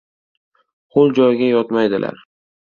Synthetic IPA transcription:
χolˠd͡ʒɒjɡʲajɒt̪majd̪ɪlʔa̰ɾ

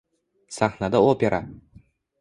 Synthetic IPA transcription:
saχnad̪aopeɾʔa

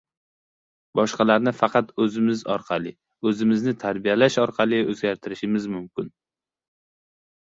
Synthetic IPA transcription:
bɒʃqɑlaɾnɪfɑqʰɑt̪ɵzɪmɪzɒ̰ɾqʰɑlɪ | ɵzɪmɪznɪt̪ʰaɾbijalaʃɒɾqʰɑlˠɪɵzɡʲaɾt̪ʰɪɾɪʃɪmɪzmʊmkʲɪn

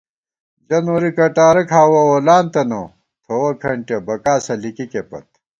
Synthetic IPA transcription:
d͡ʑɐnoɾikɐʈaːɾɐkʰaːwɐwolaːnt̪ɐno | t̪ʰowɐkʰɐɳʈebɐkaːsɐlikikepɐ̰t̪̚

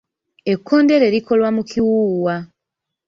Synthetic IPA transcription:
e̞kʰːo̞ːnde̞ɾe̞ɾiko̞lwamukʰiwuːwa

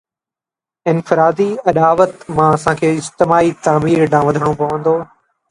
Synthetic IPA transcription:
ɪnfɪɾaːd̪iɐɗaːʋət̪mãɐsãːkʰeːɪd͡ʒt̪ɪmaːit̪aːmiːɾnãːʋɐd̪ʱəɽ̃opɐʋə̃nd̪oː

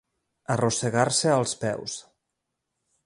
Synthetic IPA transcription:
ərosəɣaɾsəəlˠspɛ̰ws

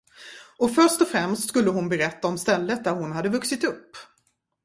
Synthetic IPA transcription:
ɔfœʂʈɔfɾɛmst̪skɵlːəɦʊnbɛɾɛt̪ːaɔmst̪ɛlːət̪̚d̪æɾhʊnhad̪ːəvɵksɪt̪ɵpː

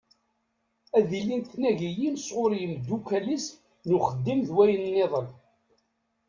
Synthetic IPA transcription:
æðilint̪næʝijinsʁʊɾjənd̪ːukːælis | nuχəd̪ːimðwæjənnːeðˤəl

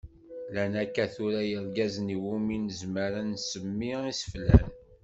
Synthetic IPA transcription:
lænækːæθuɾajəɾɡæzniwuminəzməɾənsəmːiisə̥flæ̰n

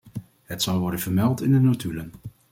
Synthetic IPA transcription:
ɦətsɑlˠʋɔɹdənvəɹmɛlˠtɪndənotylən

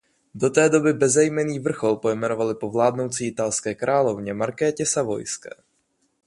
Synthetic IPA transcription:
do̞t̪ɛːdo̞bɪbɛzɛjmɛniːvr̩xo̞lpo̞jmɛno̞valɪpo̞vlaːdno̞wt͡siːɪt̪alskɛːkɾʔaːlo̞vɲɛmaɾkɛːcɛsavo̞̰jskɛ̰ː

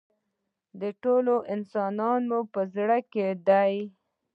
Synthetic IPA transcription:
d̪əʈoloʔɪnsɑnɑnmupəzɽəked̪aj

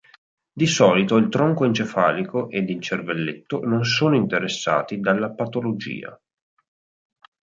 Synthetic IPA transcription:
d̪isɔːlit̪oilt̪ɾɔŋkoint͡ʃefaːlikoʔed̪int͡ʃervelːet̪ːonons̬oːnoint̪eɾesːa̰ːt̪id̪alːapat̪olod͡ʒḭːa̰

